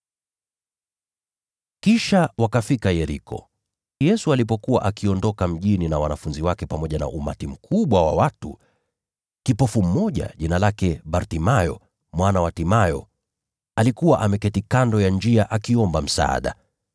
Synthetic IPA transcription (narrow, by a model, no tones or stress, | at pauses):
kiʃawakafikajɛɾḭkɔ̰ | jɛsualipɔkuwa̰ʔakiɔndɔkam̩ʄininawanafunziwakɛpamɔʄana̰ʔuma̰tim̩kʰuɓwawa̰watu | kipɔfum̩mɔʄa̰ʄinalakɛɓaɾtimajɔ̰ | mwanawatimajɔ̰ | alikuwaʔamɛkɛtikandɔjand͡ʒiaʔakiɔmbam̩sa̰a̰ɗa̰